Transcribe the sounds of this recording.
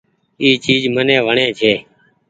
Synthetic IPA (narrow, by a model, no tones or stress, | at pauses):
iːt͡ʃiːd͡ʒmənẽːʋəɳẽːt͡ʃʰeː